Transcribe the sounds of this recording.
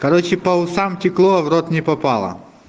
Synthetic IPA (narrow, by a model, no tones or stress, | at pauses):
kɐɾot͡ɕɪpɐʊsamtʲɪklˠoɐvɾot̪nʲɪpɐpalˠɐ̰